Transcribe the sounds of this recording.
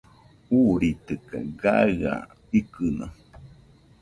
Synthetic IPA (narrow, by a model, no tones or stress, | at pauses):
uɾit̪ɨkaɡaa̰ | ikɨnã̰